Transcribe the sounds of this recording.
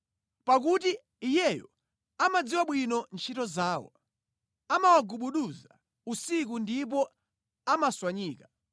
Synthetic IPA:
pak̬uti | ijɛjɔ | amad͡ziwaɓwinɔnt͡ʃʰitɔzaːwɔ̰ | amawaɡuɓuɗuza | usik̬undip̬ɔ | amaswaɲiːka

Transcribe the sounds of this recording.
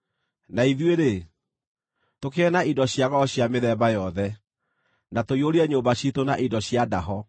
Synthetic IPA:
naiðweɾe | tokeɛnaidɔɕjaɣɔɔɕjameðɛbajɔðɛ | natoioɾiɛɲoːbaɕitonaʔidɔɕjadaɦɔ

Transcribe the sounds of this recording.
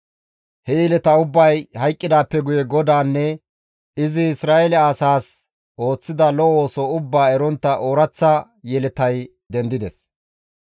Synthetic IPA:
hɛjɛlɛt̪ɐʊbːɐjhɐjkʼːɪd̪aːpːɛɡʊjɛɡɔd̪aːnːɛ | ɪzɪɪsɾaːɛlɛɐsaːs | ʔo̞ːt͡sːɪd̪ɐlɔoːsɔʊbːaːɛɾɔnt̪ːɐʔo̞ːɾɐt͡sːɐ | jɛlɛt̪ɐj | d̪ɛnd̪ɪd̪ɛs

